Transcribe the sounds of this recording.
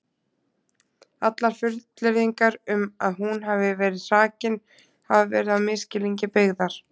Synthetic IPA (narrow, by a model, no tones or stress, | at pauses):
at̪laɾ̥fʏɾt̪lɪɾðiŋkaɾʏmaðhunɦavɪvɛːɾɪðsaːcɪn | havɪvɛ̰ːɾɪðaðmɪscɪliɲcɪpɪɣðaɾ̥